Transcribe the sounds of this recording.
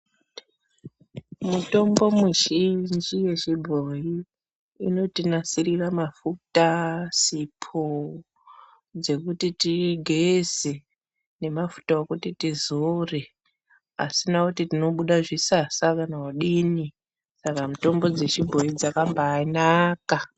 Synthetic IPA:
muto̞mbo̞muʒind͡ʒije̞ʃibʱojiː | no̞tinasiriramafutasipʰo | d͡ze̞kutitiɡʱeze | ne̞mafu̥taokutitizore̞ | a̰sinakutitino̞ɓuɗaʐisasakanawaɗini | sakamuto̞mbo̞d͡ze̞t͡ʃibʱo̞jid͡zakambaːnaka

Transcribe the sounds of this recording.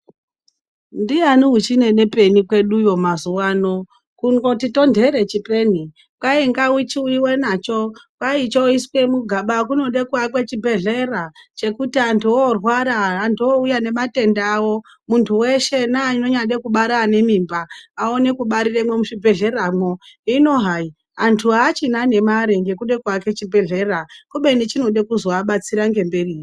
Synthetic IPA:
ndianiɦut͡ʃine̞ne̞pe̞nikwe̞ɗujo̞mazuwaːno̞ | kuŋɡo̞tito̞ndʱe̞ɾe̞t͡ʃipe̞ni | kwaiŋɡawit͡ʃiuiwenat͡ʃo̞kwait͡ʃoiswe̞muɡʱaɓakuno̞ɗe̞kuakwe̞t͡ʃibʱe̞ɮe̞rat͡ʃe̞kutiantʰuorwaɾaːntʰuoujane̞mate̞ndawo̞ | muntʰuweʃe̞naino̞ɲaɗekuɓaɾane̞mimbaːo̞ne̞kuɓaɾiremwemuʃibʱe̞ɮe̞ramwoino̞ɦai | antʰuaːt͡ʃinane̞maɾeŋɡe̞kuɗe̞kwake̞t͡ʃibʱe̞ɮe̞rakuɓenit͡ʃino̞ɗekuzoaɓat͡siɾaŋɡe̞mbe̞riː

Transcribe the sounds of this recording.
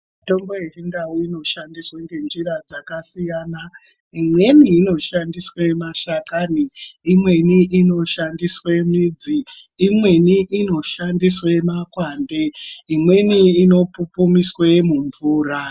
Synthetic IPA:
mito̞mbo̞et͡ʃindawuino̞ʃandisweŋɡe̞nd͡ʒirad͡zakasijaːna | imwe̞niːno̞ʃandiswemaʃakaniimwe̞niʔino̞ʃandiswe̞miːd͡ziː | mwe̞niʔino̞ʃandiswemakwaːnde̞imwe̞niːno̞pupumiswemuɱvuːra

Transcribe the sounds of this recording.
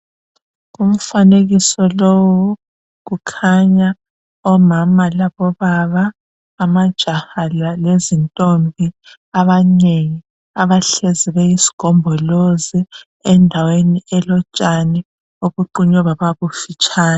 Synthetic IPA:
ɣum̩faneɣisɔlowu | ɣukʰaɲa | ɔmamalaβɔβaβaː | mad̥ʒ̥ʱahalalezintʼombʱi | aβaneŋi | aβaɬeziβeisi̥ɡ̥ʱɔmbʱɔlozi | ɛndʱaweniʔɛlɔt͡ʃʼanɛ | oβuǃuɲɔβaβaβufit͡ʃʼaːna

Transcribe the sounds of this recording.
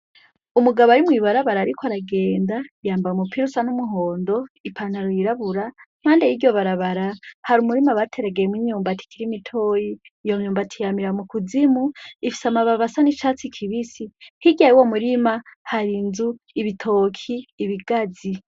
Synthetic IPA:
umuɡaβoaɾimwiβaɾaβaɾaːɾikʰoaɾaɡe̞ːndajaːmbamupʰiɾusanumuɦo̞ːndo̞ipʰaːn̥aɾojiɾaβuɾa | m̥aːndejiɟo̞βaɾaβaɾahaɾumuɾimaβatʰe̞ɾeɡejemwiɲuːmbatʰi̥kiɾimitʰoːjiː | joɲuːmbatʰijamiɾamukuzimuifi̥samaβaβasanit͡ʃat͡sikʰiβisihiɟajiwomuɾimahaɾinzu | iβitʰo̞ːkʰiːβiɡad͡zi

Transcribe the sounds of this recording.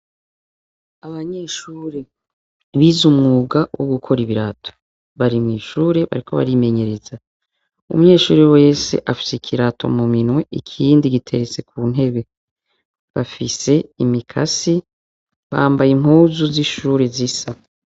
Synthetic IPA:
aβaɲeːʃuːɾe | βiːzumŋuːɡawʔoɡukʰo̞ɾiβiɾatʰo̥ | βaɾimŋiːʃuːɾeβa̰ɾikʰo̞βa̰ɾime̞ɲe̞ɾeza | ṵmuɲe̞ːʃuːɾewe̞ːse̞̰ʔafi̥sekʰiɾatʰo̞̰muminŋwe̞ʔikʰiːndiɡitʰe̞ɾet͡se̞kʰuːn̥e̞βe̞ | βafise̞imikʰasi | βa̰ːmbajim̥huːzuziʃuːɾezisa

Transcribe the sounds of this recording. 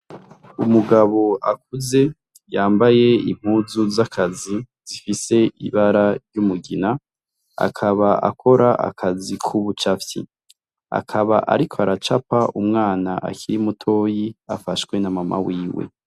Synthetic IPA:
umuɡaβo̞ʔakuze̞ | jaːmbaje̞im̥huzuzakʰaziz̥ifise̞ʔiβaɾaɾjumuɡina | a̰kʰaβaʔa̰kʰo̞ɾaʔa̰kʰazikʰuβut͡ʃafjḭ | a̰kʰaβaʔa̰ɾikʰoaɾat͡ʃapaumŋaːnaʔa̰kiɾimutʰo̞ːjiafaʃwe̞namamʔa̰wiːwe̞̰

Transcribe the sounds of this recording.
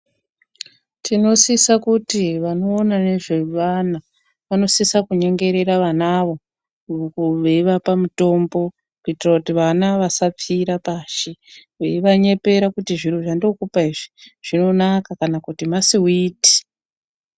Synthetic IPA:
tʰino̞sisakutiʋano̞ːnane̞ʐe̞ʋana | ʋano̞sisakuɲe̞ŋɡe̞ɾe̞ɾaʋanaʋo̞ | ʋeiʋapamuto̞mbo̞ | kuitirakutiʋanaʋasap͡fiɾapaʃi | ʋḛiʋaɲe̞pe̞ɾakutiʐiruʐandio̞kupaiʐiʐ̥ino̞nakakanakutimasiwiːti̥

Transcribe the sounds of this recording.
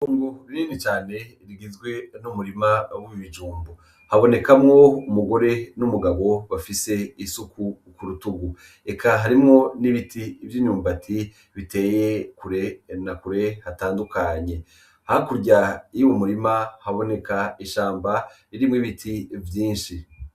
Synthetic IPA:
uːŋɡuɾiniːnit͡ʃaːne̞ | ɾiɡizɡwe̞numuɾimawiβiβid͡ʒuːmbo | haβo̞ne̞kamŋo̞umuɡo̞ɾe̞numuɡaβo̞βafise̞isuku | kuɾutuɡu | e̞kʰaɦaɾimŋo̞niβitivjiɲuːmbatʰi | βite̞ːje̞kuɾe̞nakuɾe̞hataːndukʰaɲe̞ | hakuɾɟajiwomuɾimahaβo̞ne̞kaiʃaːmba | iɾimŋiβitʰivjiːnʃi

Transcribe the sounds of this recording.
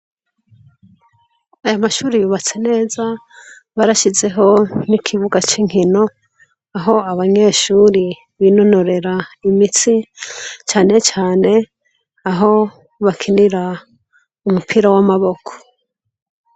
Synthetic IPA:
ajamaʃuːɾijuːβat͡se̞ne̞ːza | βaɾaʃize̞ɦo̞nikʰiβuɡat͡ʃiŋ̥ino̞ | aɦo̞aβaɲe̞ʃuːɾi | βino̞no̞ɾe̞ɾaimit͡sit͡ʃaːne̞t͡ʃaːne̞ | aɦo̞ | βakʰiniɾa | umupʰiːɾawamaβo̞kʰo̥

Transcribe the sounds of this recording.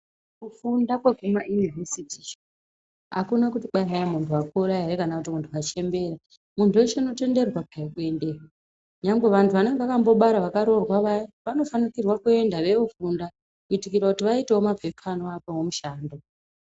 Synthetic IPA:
kufundakwe̞ɡʱumaʔinivesiti | ɦa̰kunakutiɓaɦajamuntʰuakuɾajarekanakutimuntʰuat͡ʃe̞mbe̞ɾa | muntʰueʃeno̞te̞nde̞rwapajikue̞ndekwa | ɲamɡe̞ʋantʰuʋaneŋɡeakambo̞ɓaɾaʋakaɾo̞rwaʋajiʋano̞fanikirwakue̞ndaʋe̞ofunda | kuitikiɾakutiʋaiteomab͡vʱekʰanoakowomuʃaːndo

